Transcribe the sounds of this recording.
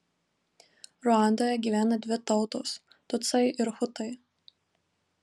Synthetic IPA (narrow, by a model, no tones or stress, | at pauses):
ɾʊɑˑnd̪oːjɛɡʲiːʋʲæːnɐd̪ʲʋʲɪt̪ɒʊt̪oːs | t̪ʊt̪sɐɪʔɪɾxʊt̪ɐɪ